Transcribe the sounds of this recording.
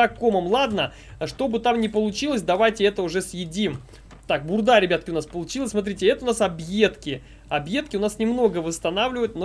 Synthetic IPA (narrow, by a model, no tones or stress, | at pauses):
ako̞məmlˠad̪nə | ʂt̪o̞bɨt̪amnʲɪpəlˠʊt͡ɕilˠəsʲd̪ɐvajtʲɪɛt̪əʊʐɛsjɪdʲim | t̪ak̚bʊrd̪aɾʲɪbʲat̪̚kʲɪʊnaspəlˠʊt͡ɕilˠəsʲsmɐt̪̬ɾʲitʲɪɛt̪əʊnasɐbje̞t̪kʲɪ | ɐbjet̪kʲɪʊnasnʲɪmno̞ɡəvəst̪ɐnavlʲɪvət̪̚ʲno